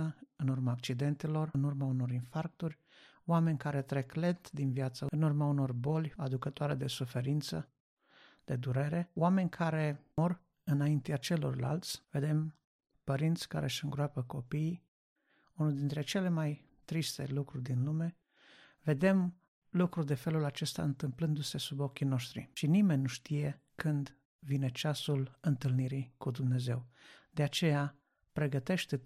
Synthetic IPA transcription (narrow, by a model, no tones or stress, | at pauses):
əɨnurmaːk̚t͡ʃid̪e̞nt̪elo̞rɨnurmauno̞ɾinfark̚t̪urʲ | oame̞nʲkaɾe̞t̪ɾe̞kle̞t̪d̪invjat̪səɨnurmauno̞rbo̞lʲad̪ukət̪oaɾe̞d̪e̞sufe̞ɾint̪sə | d̪̥e̞d̪uɾe̞ɾe̞oame̞nʲkʰaɾe̞mor | ɨnaint̪eat͡ʃe̞lo̞̰rla̰lt̪sʲve̞d̪e̞m | pəɾint̪sʲka̰ɾʔe̞ʃɨŋɡɾoapəko̞pi | unuld̪int̪ɾe̞t͡ʃe̞le̞maj | t̪ɾist̪e̞̰lukɾurʲd̪inlume̞ | ve̞d̪e̞m | lukɾurd̪e̞fe̞lulat͡ʃe̞st̪a̰ɨnt̪ɨmplɨnd̪use̞subo̞kʲino̞ʃt̪ɾḭʃinime̞nʲːuʃt̪ije̞ | kɨnd̪ | vine̞t͡ʃasulɨnt̪ɨlniɾikud̪umne̞ze̞wd̪eat͡ʃe̞ja | pɾe̞ɡət̪e̞ʃt̪e